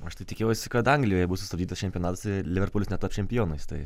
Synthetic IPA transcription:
ɐʃt̪ɐɪt̪ʲɪkʲeɛʊsʲɪkɐt̪ɐŋɡlʲɪjoːjɛbʊsʊst̪ɐbd̪ʲiːt̪ɐst͡ʃʲɛmʲpʲjɔnɑːt̪ɐslʲɪʋʲɛɾpoːlʲsnʲɛt̪ːɐpt͡ʃʲɛmʲpʲɪjoːnɐɪst̪ɐɪ

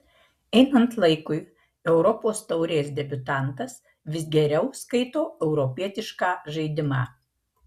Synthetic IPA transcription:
ɛɪnɐnt̪lˠɐɪkʊɪ | ɛʊɾɔpoːst̪ɐʊɾʲeːsd̪ʲɛbʲʊt̪ɑnt̪ɐs | ʋʲɪsɡʲɛɾʲɛʊskɐɪt̪oːɛʊɾɔpʲiɛt̪ʲɪʃkɑːʒɐɪd̪ʲɪmɑː

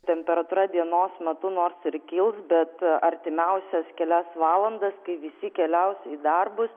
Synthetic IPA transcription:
t̪ʲɛmʲpʲɛɾɐt̪uːɾɐd̪ʲiɛnoːsmʲɛt̪ʊnoːrsɪɾkʲɪlˠsbʲɛt̪ɐɾʲt̪ʲɪmʲɛʊsʲɛskʲɛlʲæsʋɑːlˠɐnd̪ɐskɐɪʋʲɪsʲɪkʲɛlʲɛʊsiːd̪ɐrbʊs

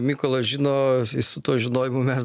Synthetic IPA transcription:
mʲiːkoːlˠoʒʲɪnoːɪsʊt̪uɔʒʲɪnoːjɪmʊmʲɛs

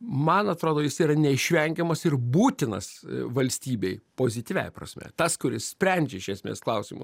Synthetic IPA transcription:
mɐnɐt̪ɾoːd̪oːjɪsiːɾɐnʲɛɪʃʲʋʲɛŋʲɡʲɛmɐsɪrbuːt̪ʲɪnɐ̰sʋɐlʲsʲt̪ʲiːbʲɛɪpoːzʲɪt̪ʲiːʋʲɛ̰jprɐ̰sʲmʲɛ̰t̪ɐskʊɾʲɪssʲpʲɾʲɛnʲd͡ʒʲɛɪʃʲɛsʲmʲḛːsklˠɐʊsʲimʊ̰s

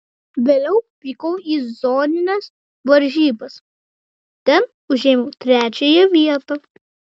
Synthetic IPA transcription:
ʋʲeːlʲɛʊpʲikoʊiːzoːnʲɪnʲɛs | ʋɐɾʲʒʲiːbɐs | t̪ʲɛn | ʊʒʲeːmoːt̪ʲɾʲæːt͡ʃʲejɛʋʲiɛt̪o

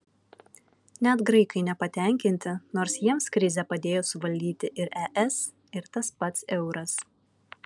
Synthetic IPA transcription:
nʲɛt̪ɡɾɐɪkɐɪnʲɛpɐt̪ʲɛˑŋʲkʲɪnʲt̪ʲɪnoːɾsjiɛmskɾʲɪzʲɛpɐd̪ʲeːjoːsʊʋɐlʲd̪ʲiːt̪ʲɪʔɪɾɛʔɛs | ɪɾt̪ɐspɐt̪sɛʊɾɐs

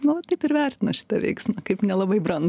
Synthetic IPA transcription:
nʊɐt̪ɐɪpɪɾʋʲærʲt̪ʲɪnɐʃʲɪ̥t̪ɐʋʲɛ̰ɪksʲmɐkɐɪpnʲɛlˠɐbɐɪbrɐnd̪

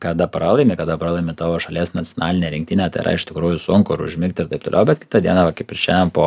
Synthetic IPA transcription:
kɐd̪ɐpɾɑːlˠɐɪmʲekɐd̪ɐpɾɑːlˠɐɪmʲɪt̪ɑːʋoːʃɐlʲiːsnɐt͡sʲonɑːlʲɪnʲeːɾʲɪŋkt̪ʲɪnʲɛt̪ɐ̰ɪ̰ɾɐ̰ɪʃʲt̪ʲɪkɾuːjʊsʊŋkʊɪɾʊ̰ʒʲmʲɪkt̪ʲɪɾt̪ɐɪp̚t̪o̰ːlʔɛʊbʲɛt̪kʲɪ̥t̪ɐd̪ʲiɛnɑʋɐkɐɪpɪɾʃʲejɛmpoː

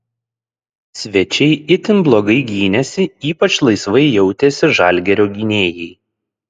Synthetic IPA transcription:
sʲʋʲɛt͡ʃʲɛɪɪt̪ʲɪnblˠoːɡɐɪɡʲiːnʲɛsʲɪiːpɐt͡ʃlˠɐɪsʋɐɪjɛʊt̪ʲesʲɪʒɑˑlʲɡʲɛɾʲoːɡʲinʲeːjɛɪ

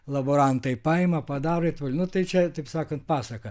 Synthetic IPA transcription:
lˠɐboːɾɐnt̪ɐɪpɑːɪmɐpɐd̪ɑːɾoɪt̪ʋʊlʲnʊt̪ɐɪt͡ʃʲɛt̪ɐɪpsɑːkɐnt̪̚pɑːsɐkɐ

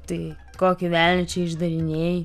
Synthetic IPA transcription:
t̪ɐɪ | koːkʲɪʋʲælʲnʲɛt͡ʃʲɛɪʒd̪ɐɾʲɪnʲeːjɪ

